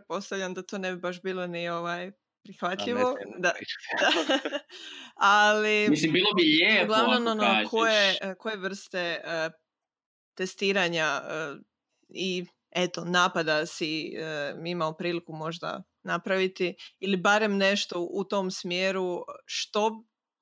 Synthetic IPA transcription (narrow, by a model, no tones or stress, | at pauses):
pɾet̪̚po̞st̪aʋʎʲamd̪at̪o̞ːne̞bibaʃbiːlˠo̞nio̞ʋaj | pɾixʋat̪ʎʎiʋod̪ad̪a | alimisimbilˠoijeɡlˠaʋnononokojekoje̞ʋr̩st̪e̞ə | t̪est̪iːɾaɲaə | i | et̪onaːpad̪asiəimaopɾiːlikumo̞ʒd̪a̰ | napɾaʋit̪iilibaɾe̞mne̞ʃt̪o̞ʔut̪o̞msmjeːɾuʃt̪o̞